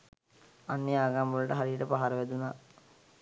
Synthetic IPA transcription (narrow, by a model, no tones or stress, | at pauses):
anːeaːɡambolɐʈəɦaɾijəʈəpaɦaɾəʋæd̪unaː